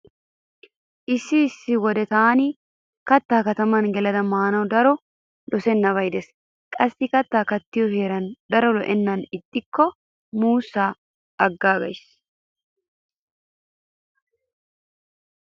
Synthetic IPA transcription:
ʔɪsːɪːsːɪwɔd̪ɛt̪ɐni | kɐt̪ːaːkɐt̪ɐmɐnɡɛlɐd̪ɐmaːnɐwd̪ɐɾɔ | d̪ɔsɛnːɐvɐjd̪ɛs | kʼɐsːɪkɐt̪ːaːkɐt̪ːɪjɔheːɾɐnd̪ɐɾɔlɔ̰ʔɛnːɐnɪt̪ʼːɪkːɔ | muːsːaː | ɐɡːaːɡɐjs

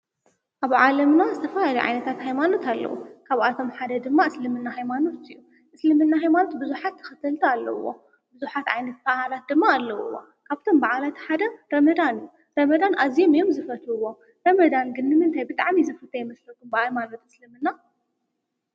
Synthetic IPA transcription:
ʔaβʕalɐmnazɨt̪ʰɐfalaluʕa̰jnɐt̪ʰat̪hajmano̞t̪ʰalːɐ̰w̰kʰaβʔat̪ʰo̞mħad̪ɐd̪ɨmːaɨslɨmɨnːaɦajmano̞t̪ɨ̰jːu | ʔɨslɨmɨnːaɦajmano̞t̪bɨzuħat̪ʰːɨ̥xɨt̪ʰɐlt̪ʰɐalːɐ̰wːo̰ | bɨzuħat̪ʕa̰jnɐt̪̚kahalat̪̚d̪ɨmːaːlːɐwṵwːo̰ | kʰaβt̪ʰo̞mbaʕalat̪ʰi̥ħad̪ɐɾɐmɐd̪anɨjːu | ɾɐmɐd̪anʔazijomjomzɨfɐt̪ʰːwo̞ | ɾɐmɐd̪anɡɨnːɨmɨnt̪ʰajbɨt̪ʼaʕmizɨfɐt̪ʰajmɐslɐɡumbɐajmanot̪ɨslɨmɨnːa

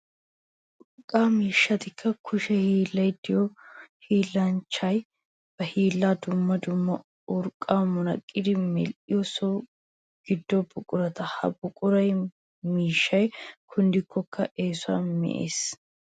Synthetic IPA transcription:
ʔʔʊɾkʼːaːmiːʃːɐt̪ɪkʰːɐkʰʊʃɛhiːlːɐjd̪ɪjɔhiːlːɐnt͡ʃːɐj | b̥ɐhiːlːaːd̪ʊmːɐd̪ʊmːɐ | ʊɾkʼːaːmʊnɐkʼːɪd̪ɪmɛ̰lʔɪjɔsɔ | ɡ̥ɪd̪ːɔbʊkʼʊɾɐt̪ɐhɐ̰bʊkʼʊɾɐj | miːʃːɐjkʰʊnd̪ɪkʰːɔkʰːɐʔeːsʊa̰ːnmɛ̰ʔḛːs

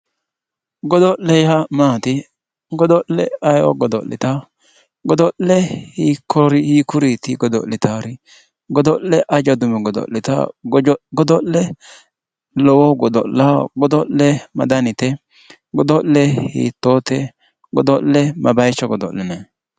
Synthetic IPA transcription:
ɡɔd̪ɔlɛjamaːt̪ɪ | ɡɔd̪ɔlɛ̰ɐjɔ̰ɡɔd̪ɔ̰lɪ̰t̪a | ɡɔd̪ɔllɛhikɔɾihikʊɾit̪ɪɡɔd̪ɔ̰ʔlɪt̪aɾɪ | ɡɔd̪ɔlːɛʔɐd͡ʒɐd̪ʊmɛɡɔd̪ɔ̰lːɪt̪a̰ | ɡɔd̪ɔlɛ | lɔwɔɡɔd̪ɔ̰laɡɔd̪ɔllɛmɐ̰d̪ɐnɪt̪ɛ | ɡɔd̪ɔlːɛhḭt̪ːoːt̪ɛ | ɡɔd̪ɔlːɛmʔɐbɐjt͡ʃːɔɡɔd̪ɔ̰lːɛnɛ

